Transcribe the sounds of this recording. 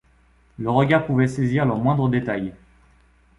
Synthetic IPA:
ləʁəɡʲaʁpuvɛseziʁləʁmwɛ̃d̪ʁəd̪et̪aj

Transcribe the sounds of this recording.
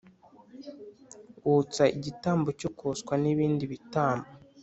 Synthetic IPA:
ut͡saiɟitaːmbocokoskwaniβiːndiβitaːmbo

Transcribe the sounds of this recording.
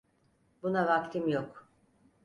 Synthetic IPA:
bunavak̚t̪ʰimjok

